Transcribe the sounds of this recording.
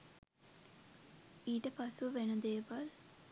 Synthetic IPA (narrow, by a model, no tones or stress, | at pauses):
iːʈəpasuʋenud̪eːʋal